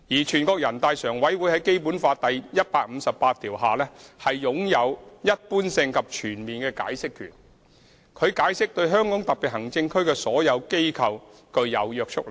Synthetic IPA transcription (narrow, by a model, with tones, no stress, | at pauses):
jiː˨˩t͡ʃʰyː˨˩nkɔː˧k̚jɐ˨˩nt̪aː˧jsœː˨˩ŋwɐ˨˥jwuː˨˥jhɐ˨˥jke˥jpu˨˥nfaː˧t̪ɐ˨jjɐ˥t̚paː˧k̚m̩˨˧sɐ˨ppːaː˧t̪ʰiː˨˩wɦaː˨lɛː˥hɐ˨jjʊ˨˥ŋjɐ˨˧wjɐ˥t̚puː˥nsɪ˧ŋkʰɐ˨p̚t͡ʃʰyː˨˩nmiː˨nkɛː˧ka̰ː˨˥jsɪ˥kʰːy̰ː˨˩n | kʰɵ˨˧ɥkaː˨˥jsɪ˥k̚t̪ɵ˧ɥɦœː˥ŋkɔː˨˥ŋt̪ɐ˨k̚pːiː˨t̚hɐ˨˩ŋt͡sɪ˧ŋkʰɵ˥ɥkɛː˧sɔː˨˥jɐ˨˧wke˥jkʰɐ˨w | kɵ˧ɥjɐ˨˧wjœː˨˧k̚t͡ʃʰʊ˥k̚l